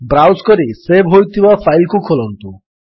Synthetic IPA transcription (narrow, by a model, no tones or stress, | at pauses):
bɾawskɔɾisebɦojt̪ʰibafʰajlkukʰolɔnt̪u